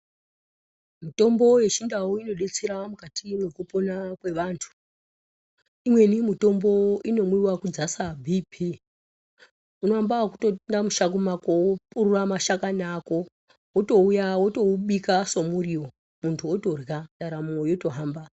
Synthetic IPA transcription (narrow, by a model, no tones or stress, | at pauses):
mito̞mbo̞je̞t͡ʃindawoino̞ɗe̞t͡seɾamukatimwekuponakwe̞ʋaːntʰu̥ | imwe̞nimito̞mbo̞ino̞mwiwakud͡zasabʱibʱi | unoambakutondamuʃak̬umakopururamaʃakanaːko̞ | woto̞ujawoto̞uɓikaso̞muriwo | muntʰuoto̞rɣaɗaɾamojoto̞ɦaːmba